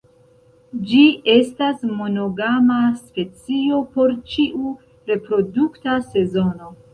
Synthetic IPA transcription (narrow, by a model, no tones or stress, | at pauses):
d͡ʒiʔe̞stasmo̞no̞ɡamaspe̞t͡sio̞po̞ɾt͡ʃiʔu | ɾe̞pɾo̞duktase̞zo̞no̞